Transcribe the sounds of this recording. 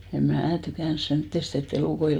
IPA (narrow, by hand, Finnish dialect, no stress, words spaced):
em mæː tykæˑns semtːest et eluˑkoi